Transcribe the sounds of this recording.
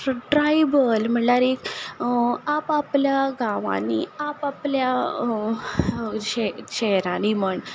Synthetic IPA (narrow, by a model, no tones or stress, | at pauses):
ʈɾajbəlm̤əɳlaɾik | apapljaɡãʋã̰nḭapaplja | ɕɛɕɛɦɾãniməɳ